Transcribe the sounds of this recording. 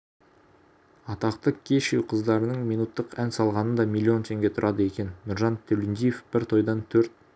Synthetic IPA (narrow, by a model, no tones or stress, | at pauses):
ɑt̪ɑqt̪əkʲʰe̞ʃewqʰəzd̪ɑɾənəɴmijnut̪ːəqænsɑlˠʁɑnənd̪ɑmʲilʲːio̞nt̪ʰe̞ŋɡʲe̞t̪ʰʊɾʔɑd̪əe̞kʲe̞nːʊɾʒɑnt̪ʰːɵlɪnd̪ijefb̥ɪɾt̪ʰo̞jd̪ɑnt̪ʰɵɾt̪̚